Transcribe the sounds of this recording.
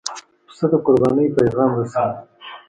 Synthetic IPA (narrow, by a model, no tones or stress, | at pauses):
səd̪aqʊɾbɑːnəjpajɣɑːmɾasɑːd̪